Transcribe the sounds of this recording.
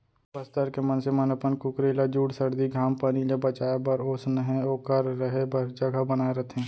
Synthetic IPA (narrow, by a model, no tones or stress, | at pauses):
bəst̪əɾkemənsemənɐpənkʊkɾeːlad͡ʒuːɽsɐɾd̪iɡʱaːmpənilebɐt͡ʃaːebɐɾoːsnəɦɛ̃okɐɾːəɦebɐɾd͡ʒɐɡəɦbənaːeɾɐt̪ʰɦɛ̃ː